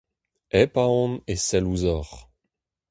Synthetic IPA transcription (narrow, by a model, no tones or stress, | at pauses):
ɛpaɔ̃nesɛluzɔʁ